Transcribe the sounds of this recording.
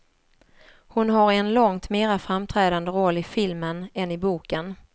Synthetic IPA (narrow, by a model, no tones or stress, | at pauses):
hʊnɦaɾɛnlɔŋt̪meːɾafɾamt̪ʰɾɛːd̪and̪əɾɔlːɪfɪlmənɛnɪbuːkən